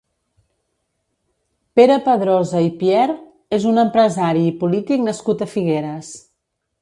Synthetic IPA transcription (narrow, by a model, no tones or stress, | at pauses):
peɾəpəðɾɔzəipjɛɾ | ezunəmpɾəzaɾiːpulit̪iknəskut̪əfiɣeɾəs